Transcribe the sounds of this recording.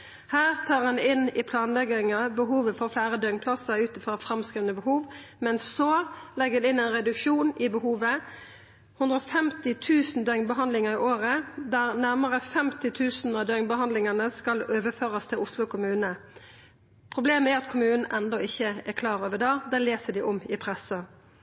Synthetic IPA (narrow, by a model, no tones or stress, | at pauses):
hæːʁt̪ʰɑːʁhɑnɪnɪpʰlɑːnlɛɡɪŋɑbəɦuːʋəfɔʁflæːʁəd̪œŋnpʰlɑsəʉːt̪fʁɔfʁɑmskʁiːʋənəbəhuːʋmɛnsɔlɛɡəɛnɪnɛɪnʁɛd̪ʉkʃuːnɪbəhuːʋə | hʉnd̪ʁɾɔfɛmt̪ɪt̪ʰʉːsn̩d̪œŋnbəɦɑnd̪lɪŋəʁɪʔoːʁəd̪æʁnæʁməʁəfɛmt̪ɪt̪ʰʉːsnɑʋd̪œʏŋnbəhɑnd̪lɪŋɑnəskɑløːʋəføːʁɑst̪ʰɪlʊslʊkʰʊmʉːnə | pʰʁʊbleːməæɾɑt̪kʰʊmʉːnn̩ʔɛnd̪ɔɪçːəækʰlɑːɾoːʋədɑːd̪ɛːleːsəd̪ɪʔɔmɪpʰʁɛsə